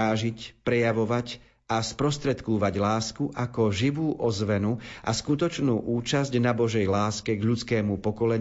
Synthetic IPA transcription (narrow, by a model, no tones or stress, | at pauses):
aːʒicpɾɛjaʋɔʋac | aspɾɔst̪ɾɛt̪kuʋaɟlaːskuʔakɔʒiʋuːʔɔzʋɛnuʔa̰skut̪ɔt͡ʃnuːʔuːt͡ʃazɟnabɔʒɛjlaːskɛɡʎut͡skɛːmupɔkɔlɛɲ